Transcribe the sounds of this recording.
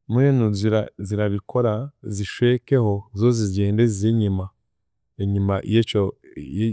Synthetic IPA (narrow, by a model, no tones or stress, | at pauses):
muenuziɾaziɾaβikʰoɾaziʃwekehozozizɟeːndezizeɲima | eɲimajet͡ʃo